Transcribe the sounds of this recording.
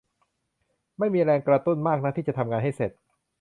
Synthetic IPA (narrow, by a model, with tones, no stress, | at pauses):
ma˥˩jmiː˧ɾɛː˧ŋkɾa˧t̪u˥˩nmaː˥˩k̚na˦˥t̪ʰiː˥˩t͡ɕa˨˩t̪ʰa˧mŋaː˧nɦa˥˩jse˨˩t̪̚